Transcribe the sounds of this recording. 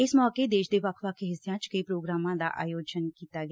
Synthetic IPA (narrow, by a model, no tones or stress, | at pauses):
ɪsmɔːked̪eːʃd̪eːʋəkʰʋəkʰɦɪsijãːt͡ʃkəiːpɾoːɡɾaːmãːd̪a̰ːʔa̰ːjoːd͡ʒənkiːt̪aːɡ